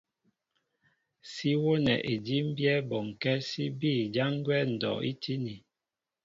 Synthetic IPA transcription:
si˦wo˦nɛ̰˨ʔe˨di˦m̩˦bjɛ˦bɔ˨ŋ̩˨kɛ˦si˦bi˦˨d͡ʒa˦ŋ˦ɡwɛ˦n̩˨dɔ̰˨ḭ˦tʰi˦ni˨

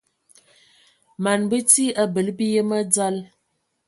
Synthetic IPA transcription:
ma˨nbə˦ti˦a˦bə˨lbi˦jə˦mə˦d͡za˦l

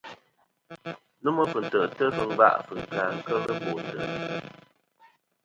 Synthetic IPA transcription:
nu˦mə˦fə˨n̩˨tə˨tə˦fɨ˨ŋ˦va̰˦˨ʔfə˨ŋ̩˨kaː˨ŋ̩˦kə˦ɣə˦bo˨n˨tə˨˦

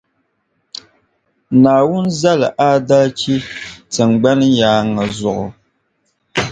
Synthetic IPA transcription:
naː˨wʊ˦n˦za˦lɨ˨ʔa˦da˦t͡ʃi˦tɨ˨ŋɡ͡ba˦nɨ˦jaː˦ŋːa˨zʊ˨ʔʊ˨

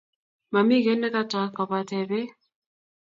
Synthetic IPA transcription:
ma˨mi˦kɛ˦nːɛ˦ka˦ta˨˦kɔ˨pa˨tɛ˨bɛ˦

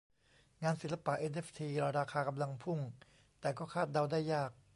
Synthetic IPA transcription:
ŋaː˧nsi˨˦nla˧pa˨˩ʔe˧nʔeː˦˥˩ft̪ʰiː˧ɾa˧˩ɾaː˧kʰaː˧ka˧mla˧ŋpʰu˥˩ŋ | t̪ɛː˨˩kɔː˥˩kʰaː˥˩t̪̚da˧wdaː˥˩jːaː˥˩k̚

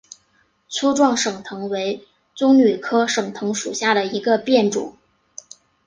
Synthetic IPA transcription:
t͡sʰu˥ʈ͡ʂwɑ˥˩ŋʂɤ˨˩ŋt̪ʰɤ˧˥ŋwe˧˥ɪ | t͡sʊ˥ŋny˨˩kʰɤ˥ʂɤ˨˩ŋt̪ʰɤ˧˥ŋʂu˨˩ɕja˥˩ɾə˩i˧˥ɡə˧pjɛ˥˩nʈ͡ʂṵ˨˩˦

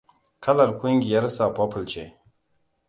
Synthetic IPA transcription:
kʰɐ˦lɐ˨ɾkʰu˦ŋɡʲi˨jɐ˦ɾsa˨po˦pʰɨ˨lt͡ʃe˨

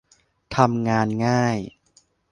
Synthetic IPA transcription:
t̪ʰa˧mŋaː˧nŋaː˥˩j

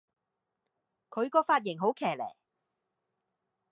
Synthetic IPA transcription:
kʰɵ˨˧ɥkɔː˧faː˧t̚jɪ˨˩ŋɦo˨˥wkʰɛː˨˩lɛ̰ː˨˩

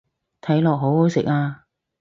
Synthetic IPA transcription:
t̪ʰɐ˨˥jlɔː˨k̚ɦo˨˥who˨˧˥wsɪ˨k̚aː˧

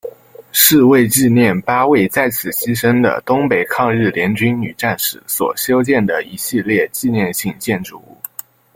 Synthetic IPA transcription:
ʂɻ̩˥˧we˥˧ɪt͡ɕi˥˧njɛ˥˩npa˥we˥˩ɪt͡sa˥˩ɪt͡sʰɹ̩˨˩ɕi˥ʂə˥ŋd̪ə̰˨t̪ʊ˥ŋpe˨˩ɪkʰɑ˥˧ŋɻɻ̩˥˩ljɛ˧˥nt͡ɕy˥nny̰˨˩ʈ͡ʂa˥˩nʂɻ̩˧˥swɔ̰˨˩ɕjo˥ʊt͡ɕjɛ˥˩nd̪ə˩i˧˥ɕi˥˧ljɛ˥˧t͡ɕi˥˧njɛ˥˧nɕi˥˧ŋt͡ɕjɛ˥˧nʈ͡ʂu˥˧ṵ˥˩

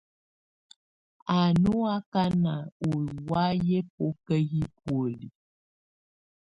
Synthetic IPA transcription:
a˨nu˦a˦ka˦na˨o˨wa˦jɛ˦p̚o˦kə˦ɣi˦pwo˨li˨

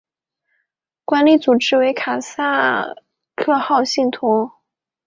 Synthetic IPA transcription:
kwa˥nli˥t͡su˨˩ʈ͡ʂɻ̩˥we˧˥ɪkʰa˨˩sa˥˩ | kʰɤ˥˧xɑ˥˧ʊɕi˥˩ŋt̪ʰʊ˧˥ŋ

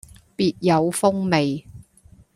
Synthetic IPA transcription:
piː˨t̚jɐ˨˧wfʊ˥ŋme˨j

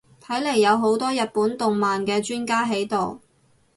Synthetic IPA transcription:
t̪ʰɐ˨˥jle˨˩jːɐ˨˧wɦo˨˥wt̪ɔː˥jɐ˨t̚puː˨˥nt̪ʊ˨ŋmaː˨nkɛː˧t͡ʃyː˥nkaː˥ɦe˨˥jt̪o˨w

